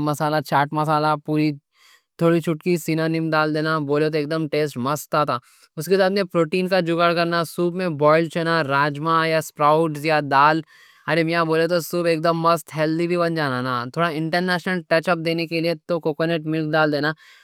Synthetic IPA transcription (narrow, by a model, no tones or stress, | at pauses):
mɐsaːlat͡ʃaːʈmɐsaːlapuːɾi | t̪ʰoːɽit͡ʃʰʊʈkisinaːnɪmd̪aːld̪eːnaboːlet̪oeːk̚d̪əmʈeːsʈmɐst̪ːat̪ʰaː | ʊskesaːd̪nẽpɾoːʈiːnkad͡ʒʊɡaɽkɐɾnasuːbmẽbɔːɪlt͡ʃɐnaɾaːd͡ʒmajaspɾaːʊʈsjad̪aːl | ɐɾemɪjãboːlet̪̬osuːbeːk̚d̪əmːɐst̪ɦɛːld̪ibʱibɐnd͡ʒaːnanat̪ʰoːɽaɪ̃ɳʈəɾnɛːʃnəlʈɛːt͡ʃəp̚d̪eːnekeliet̪okoːkəneʈmɪlk̚ɖaːld̪eːnaː